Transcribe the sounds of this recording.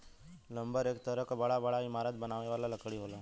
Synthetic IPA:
lɐ̃mbəɾeːkt̪əɾəɦkabɐɽabɐɽaɪmaːɾət̪̚bɐnaːʋneʋaːlalɐkɽiɦoːlaː

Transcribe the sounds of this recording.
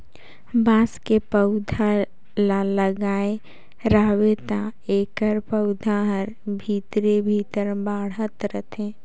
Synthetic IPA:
bãːskepəʊd̪ʱa | laləɡaːe | ɾaːʋet̪aeːkəɾpəʊd̪ʱaɦəɾbʱiːt̪ɾebʱiːt̪əɾbaːɽɦət̪ɾət̪ʰẽː

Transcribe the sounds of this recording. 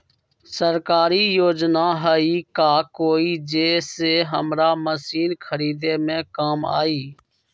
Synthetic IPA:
səɾkaːɾiːjoːd͡ʒnaːɦəːiːkaːkoːiːd͡ʒeːseːɦəmɾaːməsiːnkʰəɾiːd̪eːmẽːkaːma̰ːiː

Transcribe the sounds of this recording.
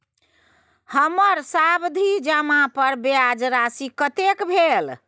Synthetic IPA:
həməɾsabd̪ʱid͡ʒəmapəɾbead͡ʒɾasikət̪ekbʱel

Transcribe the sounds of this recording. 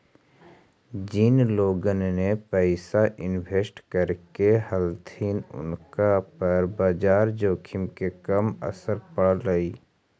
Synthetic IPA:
d͡ʒɪnloːɡənːepɛɪsaʔɪnbʱeːsʈkəɾkehəlt̪ʰiːnʊ̰nkapəɾbaːd͡ʒaːɾd͡ʒoːkʰɪmkekɐmə̰səɾpəɽɾəiː

